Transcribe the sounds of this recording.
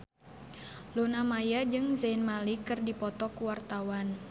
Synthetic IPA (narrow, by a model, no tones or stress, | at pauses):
lonamajad͡ʒɨŋzainmalikɨrdipɔt̪ɔkuwart̪awan